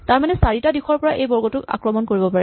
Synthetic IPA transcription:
taɹmanɛsaɹitadixɔɹpɔɹaʔejbɔɹɡɔtʊka̰kɹɔmɔnkoɹibɔpaɹɛ

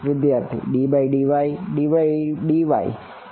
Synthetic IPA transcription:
ʋɪd̪jaːɾt̪ʰḭɖiːbaiɖiʋaiɖiʋaiɖiʋa̰ḭ

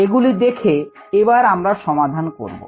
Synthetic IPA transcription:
eɡulid̪ekʰe | ebaɾamɾaʃɔmad̪ʱanko̰ɾbo̰

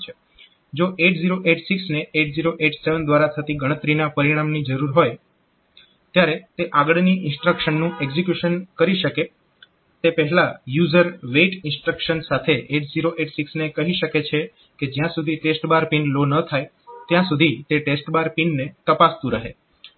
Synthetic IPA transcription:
t͡ʃʰe | d͡ʒoʔeʈziɾoʔeʈsiksneeʈziɾoʔeʈseʋənd̪ʋaɾat̪ʰət̪iɡəɽ̃ət̪ɾinapəɾiɽ̃amnid͡ʒəɾuɾɦoj | t̪jaɾet̪eʔaɡəɭniʔɪ̃nsʈɾəkʃənːũeɡzikjuʃənkəɾiʃəke | t̪epəɦɛlajuzəɾʋeʈɪ̃nsʈɾəkʃənsat̪ʰeʔeʈziɾoʔeʈsiksnekəɦiʃəket͡ʃʰe | ked͡ʒjãsud̪ʱiʈesʈbaɾpiɳɖlonət̪ʰaj | t̪jãsud̪ʱit̪eʈesʈbaɾpiɳnet̪əpast̪ũɾəɦḛ

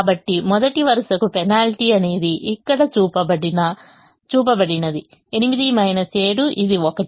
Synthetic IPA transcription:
bɐʈːimɔd̪ɐʈiʋɐɾɐʂɐkupɛnaːlʈiɐne̞ːd̪iʔikːɐɽɐt͡ʃuːpɐbɐɽinɐ | t͡ʃuːp̬ɐbɐɽinɐd̪i | e̞nimid̪imɐjnɐt͡ʃeːɽuʔid̪iɔkɐ

